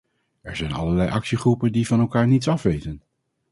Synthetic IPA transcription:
ɛɹzɛjnɑ̰ləɹlɛjʔɑksiχrupəndivɑnɛlˠkaːɹnitsɑfʋejtən

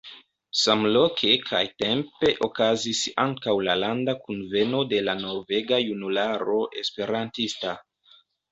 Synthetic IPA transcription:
samlo̞kʰe̞kʰa̰jte̞mpe̞ʔo̞kazisaŋkawlalandakunve̞no̞de̞lano̞ve̞ɡajunulaɾo̞ʔe̞spe̞ɾantista

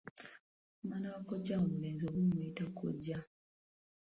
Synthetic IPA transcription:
manawakoɟawomuleːnzoβumuitakʰo̰ɟa

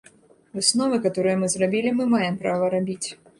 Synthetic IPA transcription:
vɨsnɔvɨkat̪ɔɾɨjɐmɨzrabʲilʲimɨmajɛmpɾavɐɾabʲit͡sʲ

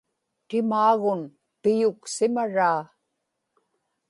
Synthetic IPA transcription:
t̪ɪmaːɣʊn | pɪjʊksɪmaɻaː

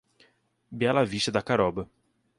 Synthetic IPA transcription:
bjalaviʃed̪akaɾɔb

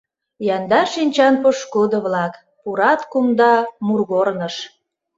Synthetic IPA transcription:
jɑnd̪ɑʃinʲt͡ɕɑnpoʃkud̪ə̆βlɑk | puɾɑt̪kumd̪ɑmurɣornəʃ

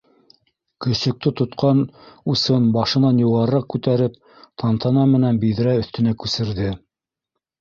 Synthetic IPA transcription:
kɵ̆sɵ̆k̚t̪ɘt̪ŏt̪qʰɑnusɤnbɑʃɤ̆nɑnjŭʁɑɾɑq̚kʉt̪æɾɘp̚ | t̪ʰɑnt̪ɑnɑmɘ̆nænbiðɾæɵ̆θt̪ɘ̆nækʉsɘ̆ɾðɘ

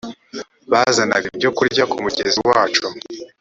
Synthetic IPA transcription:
βazana̰ɾibɟo̞kuɾɟakumuɟeziwaːt͡ʃu

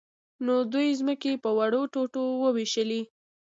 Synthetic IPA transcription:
nod̪ujzməkepəwaɽoʈoʈowəwiʃəli

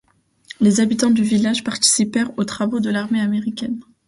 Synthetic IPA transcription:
lezabit̪ɑ̃d̪yvilaʒpaʁt̪i̥sipɛʁot̪χavod̪əlaʁmeameʁikʲɛn

